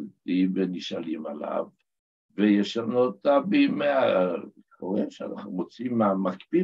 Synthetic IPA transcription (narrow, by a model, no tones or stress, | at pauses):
t̪iveniʃalimala̰v | vejeʃanot̪abimea | kʰoʁeʃea̰naχnumot͡simːeamakbi